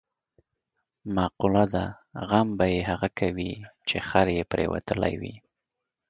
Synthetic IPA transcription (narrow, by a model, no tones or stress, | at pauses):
mɑqulad̪a | ɣambajeɦaɣakʰawit͡ʃexaɾjepɾḛwa̰t̪əla̰jwḭ